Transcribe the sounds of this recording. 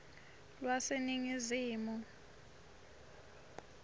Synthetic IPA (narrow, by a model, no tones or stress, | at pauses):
lwaseniŋiziːmu